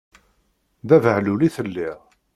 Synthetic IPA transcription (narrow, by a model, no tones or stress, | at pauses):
ðævəʕluliθəlːiʁ